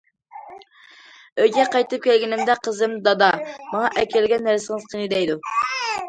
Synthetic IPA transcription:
øjɡʲɛqɑjt̪ɨp̚kʲʰɛlɡʲinɪmd̪ɛqʰəzɨmd̪ɑd̪ɑmɑŋɑʔɛkʲʰɛlɡʲɛnːæɾsɪŋɨz̥qʰənɨd̪ɛjd̪u

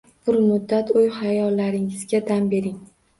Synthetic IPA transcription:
b̥ʊɾmʊd̪ːat̪ojhajɒlːaɾɪŋɪzɡʲad̪ambe̞ɾɪŋ

